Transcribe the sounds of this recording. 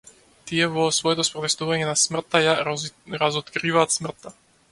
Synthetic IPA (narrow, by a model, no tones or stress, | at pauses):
t̪iɛvɔsvɔɛt̪ɔspɾɔt̪ɛst̪uvaɲɛnasmr̩t̪ːajaɾazɔt̪kɾivaːt̪smr̩t̪ːa